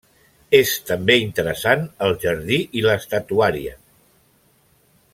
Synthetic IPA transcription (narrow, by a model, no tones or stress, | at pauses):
est̪əmbeint̪əɾəsanəlˠʒəɾðiʔiləst̪at̪uaɾiə̰